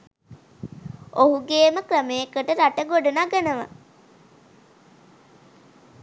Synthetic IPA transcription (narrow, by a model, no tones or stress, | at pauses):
oɦuɡeːməkrəmeːkəʈəɾaʈəɡoɖunaɡənəʋa̰